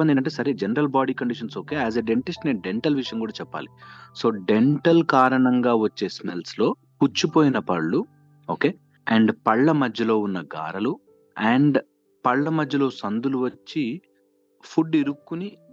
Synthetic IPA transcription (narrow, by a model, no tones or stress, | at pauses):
ɐnd̪inʈɐɳʈ̬ːeːsɐɾeːd͡ʒenɐɾɐlbaːɖiːkɐɳɖiʂɐnso̞ːke̞ːæːzeɖeɳʈisʈneːɖeɳʈɐlʋiʂɐjɐŋkuːɽaːt͡ʃɛpːa̰ːliso̞ːɖeɳʈɐlkaːɾɐɳɐŋɡaːʋɐt͡ʃːe̞ːsmelslo̞ː | put͡ʃːupoːjinɐpɐɭːu | oːke̞ː | ɐɳɖpɐɭːɐmɐd͡ʒːɐlo̞ːunːɐɡa̰ːɾɐlu | ɐːɳɖ | pɐɭːɐmɐd͡ʒːɐlo̞ːsɐnd̪uluʋɐt͡ʃːi | pʰuɖːiɾukːuni